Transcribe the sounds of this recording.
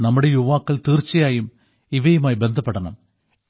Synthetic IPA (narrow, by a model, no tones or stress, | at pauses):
nɐmːuɽe̞juʋaːkːɐɭt̪iːrt͡ɕːɐjaːjum | iʋɐjumaːjbe̞nd̪ʱɐpːeɽɐɳɐm